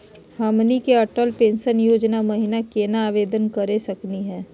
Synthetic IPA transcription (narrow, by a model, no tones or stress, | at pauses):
hɐmnikeɐʈəlpẽːnʃənjoːd͡ʒnamɐɦɪnakeːnaːʋeːd̪ənkɐɾesɐkniɦɛ̃ː